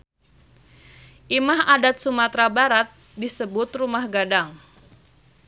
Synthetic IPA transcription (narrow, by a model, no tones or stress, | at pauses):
ʔimaɦadat̪̚sumat̪ɾabaɾat̪̚ | disəbʊt̪rumahɡadaŋ